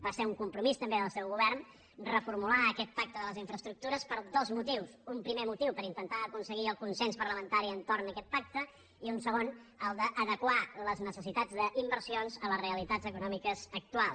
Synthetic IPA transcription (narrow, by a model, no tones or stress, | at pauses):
baseɾuŋkumpɾumist̪əmbeðəlˠsɛwɣuβɛrn | rəfuɾmulaəkɛt̪̚pak̚t̪əðələziɱfɾəst̪ɾuk̚t̪uɾəspəɾd̪ozmut̪iwsumpɾimemut̪iwpəɾint̪ənt̪aəkunsəɣiəlˠkunsɛnspəɾləmənt̪aɾiənt̪ornəkɛt̪̚pak̚t̪ə | iunsəɣonəlˠd̪əʔəðəkwaləznəsəsit̪ad͡zd̪əʔimbəɾsionzələsreəlit̪ad͡zəkunɔmikəzək̚t̪ualˠs